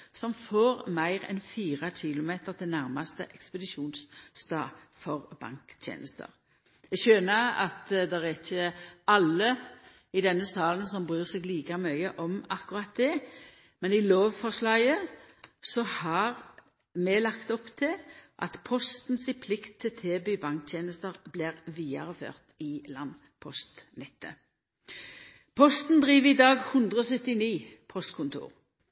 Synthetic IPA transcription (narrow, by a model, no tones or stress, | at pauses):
sɔmfoːʁmæɪʁɛ̰nfiːʁɑɕɪlʊmeːt̪əʁt̪ʰɪlnæʁmɑst̪ə̰ʔɛkspəd̪ɪʃuːnsst̪ɑː | fɔʁb̥ɑ̰ŋkt̪ʰjḛːnəst̪ə̰ɾ | jɛɡçøːnəɾɑ̰t̪d̪ɛʁæçəɑlːə | ɪd̪ɛnːəsɑːlənsɔmbʁyːʁsɛɡliːkɑmœʏəʔɔmɑkʊʁɑt̪̚d̪ɛ | mɛnɪloːʋfɔʁslɑːɡə | sɔhɑʁ | mɛlɑkt̪ɔpt̪ʰɪlʔɑ̰t̪pʰɔst̪n̩sɪpʰlɪkt̪ʰːɪlt̪ʰeːbyːbɑŋk̚t̪ʰjeːnəst̪əʁblɪʁʋiːɑ̰ʁəfø̰ːʁt̪ɪlɑn | pʰɔst̪nɛt̪ːə̰ | pʰɔst̪n̩d̪ʁiːʋəɪd̪ɑːɡhʉnd̪ʁəɔsœt̪ːɪniːpʰɔst̪kʰʊnt̪ʰṵːʁ